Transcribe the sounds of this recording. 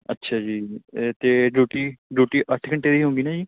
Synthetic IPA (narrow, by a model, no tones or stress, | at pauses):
ətːʃʰaːd͡ʒiːt̪eːɖuːʈiːɖuːʈiːʔəʈʰkəɳʈeːd̪iːɦõːŋɡiːnaːd͡ʒiː